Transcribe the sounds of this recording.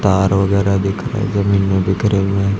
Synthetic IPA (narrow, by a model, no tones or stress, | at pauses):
t̪aːɾʋɐɡɛːɾad̪ɪːkʰɾa̰ɛ̰zɐmiːnmẽbɪkɾemẽ